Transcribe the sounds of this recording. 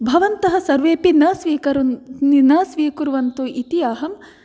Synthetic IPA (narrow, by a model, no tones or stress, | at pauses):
bʱɐʋɐnt̪ɐɦɐ̆sɐɾʋeːpinɐsʋiːkɐɾuninɐsʋiːkuɾʋɐnt̪uʔit̪ijaːɦɐm